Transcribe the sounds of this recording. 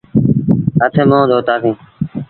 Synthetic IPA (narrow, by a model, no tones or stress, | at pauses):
ət̪ʰẽːmõːd̪ʱoːt̪aːsĩː